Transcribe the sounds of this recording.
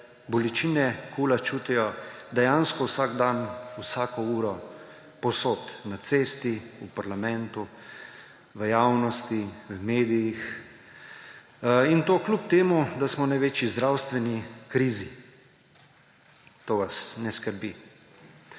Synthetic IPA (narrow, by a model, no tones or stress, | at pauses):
bɔlit͡ʃiːnɛkʰuːlat͡ʃuːt̪ijɔd̪ɛjanskɔwsaːɡd̪anwsaːkɔuːɾɔ | pɔsoːt̪nat̪seːst̪iupaɾlamɛnt̪u | ʋəjawnɔst̪iwmeːd̪ijix | int̪oːklup̚t̪eːmud̪asmɔnajʋeːt͡ʃjizd̪ɾawst̪ʋɛnikɾiːzi | t̪oːʋasnɛskəɾbi